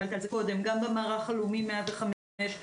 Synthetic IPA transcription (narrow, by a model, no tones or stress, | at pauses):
alt̪alzeko̞d̪e̞mɡambemaːʁaχalumimeabeχam | et